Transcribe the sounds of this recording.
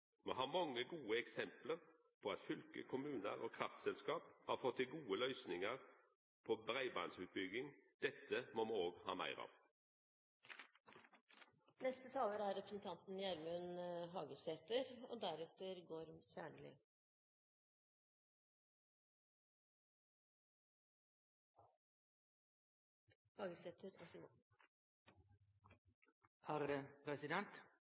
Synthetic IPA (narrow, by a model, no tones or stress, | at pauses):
moːɦɑːmɑŋːəɡuːəɛksɛmpləʁ | pʰɔɑt̪fʏlkə̰kʰʊmʉːnə̰ʁo̰ːkʰʁɑft̪sɛlskɑːphɑːfɔt̪ʰːɪlɡuːəlœʏsnɪŋəʁ | pʰɔbʁæɪbɑ̰ːnsʉːt̪̚bʏɡɪŋd̪̥ɛt̪ːəmɔmooːɡhɑ̰ːmæ̰ɪʁɑ̰ːʋ | nɛst̪ət̪ʰɑːləɾæɾɾɛpɾəsn̩t̪ʰɑnt̪n̩jæɾmʉnɦɑːɡəseːt̪əɾo̰ːd̪æɾɛt̪əɾɡoːɾsæːɳɭɪ̰ | hɑːɡəseːt̪əɾo̰sɪm | hɑʁɾəpʰɾɛsɪd̪ɛnt̪